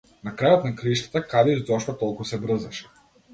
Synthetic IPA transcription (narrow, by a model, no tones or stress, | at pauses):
nakɾajɔt̪̚nakɾiʃt̪ḁt̪akad̪ɛizɔʃt̪ɔt̪ɔlˠkusɛbɾ̩zaʃɛ̥